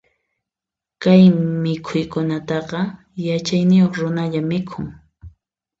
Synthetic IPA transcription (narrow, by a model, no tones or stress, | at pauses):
kajmɪkʰʊjkʊnat̪ɑqɑ | jat͡ʃajnɪjoχɾʊnaʎamɪkʰʊŋ